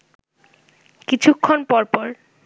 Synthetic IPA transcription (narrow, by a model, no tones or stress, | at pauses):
kit͡ɕʰukʰːonpɔɾpɔɾ